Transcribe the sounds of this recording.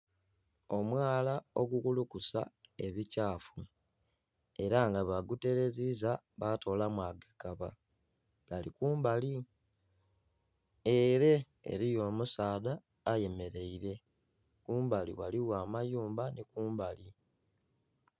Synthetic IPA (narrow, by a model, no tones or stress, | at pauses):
o̞mwaːlao̞ɡukulukusa̰e̞βicaːfu | e̞ɾaŋɡaβaɡute̞ɾe̞ziza | βato̞ːlamwaːɡakaβa̰ | ɡalikuːmbali | eɾe̞ | ḛɾijo̞ːmusaːðaː | je̞me̞ɾe̞iɾe̞ | kuːmbalḭwaliwaːmajuːmbanikuːmbali